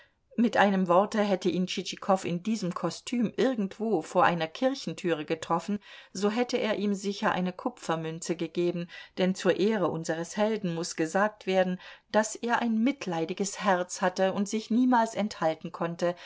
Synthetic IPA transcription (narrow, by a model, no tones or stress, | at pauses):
mɪtʔaɪnəmvɔɐtəɦɛtəʔiːnt͡ʃit͡ʃikʰɔfɪ̰ndiːzəmkʰɔstʰyːmʔɪɐɡŋ̩tv̥oːfoːɐʔa̰ɪnɐkʰɪɐçn̩tʰyːʁəɡətʁ̥ɔfn̩zoːɦɛtəʔeːɐʔiːmzɪçɐʔa̰ɪnəkʰʊpfɐmʏnt͡səɡəɡeːbn̩d̥ɛnt͡suːɐʔeːʁəʔʊnzəʁ̞əshɛldn̩mʊsɡ̥əzaːk̚tv̥eːɐdn̩d̥asʔeːɐʔaɪnmɪtʰlaɪdɪɡəshɛɐt͡shatəʊntz̥ɪçniːmaːlsɛnthaltn̩kʰɔntə